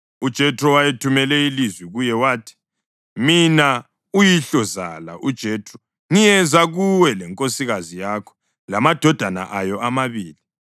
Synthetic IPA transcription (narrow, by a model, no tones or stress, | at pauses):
ud̥ʒ̥ʱɛtʼrɔwajetʰumɛlɛilizwiɣujɛwaːtʰi̥ | mina | ujiɬɔza̰la̰ʔud̥ʒ̥ʱɛːtʼrɔ | ŋijɛzaɣuwɛlɛŋkʼosiɣazijakʰɔ̥ | lamad̥ʱɔd̥ʱana̰ʔajɔʔamaβiːli